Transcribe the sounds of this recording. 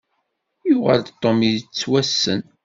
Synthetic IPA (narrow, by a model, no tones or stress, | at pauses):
juʁə̰ld̪t̪ˤːomit͡sːwæsːə̰n